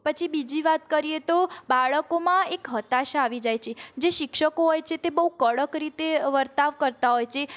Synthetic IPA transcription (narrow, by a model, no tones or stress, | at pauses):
pət͡ʃʰibid͡ʒiʋat̪kəɾijet̪obaɭəkomãekɦət̪aʃaːʋid͡ʒajt͡ʃʰed͡ʒeʃɪkʃəkoɦojt͡ʃʰet̪ebəɦukəɭəkɾit̪eʋəɾt̪aʋkəɾt̪aɦojt͡ʃʰe